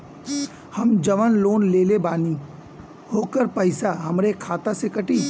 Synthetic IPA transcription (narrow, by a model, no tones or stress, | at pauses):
hɐmd͡ʒɐʋənloːnleːlebaːni | hoːkəɾpəɪsaɦɐmɾekʰaːt̪asekɐʈiː